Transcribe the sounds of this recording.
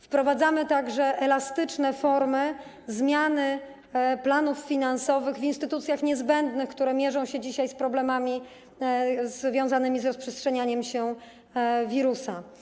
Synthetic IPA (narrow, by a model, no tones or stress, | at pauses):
fpɾɔvad̪zamɘt̪aɡʐɛʔɛlast̪ɘt͡ʂnɛfɔɾmɘ | zmʲjanɘ | planufːʲinansɔvɘɣvʲinst̪ɘt̪ut̪sʲjaxɲɛzbɛnd̪nɘxkt̪uɾɛmʲjɛʐɔ̃w̃ɕɛd͡ʑiɕajspɾɔblɛmamʲi | zvʲjɔ̃w̃zanɘmʲizɾɔspʂɛstʂɛɲaɲɛmɕɛ | vʲiɾusa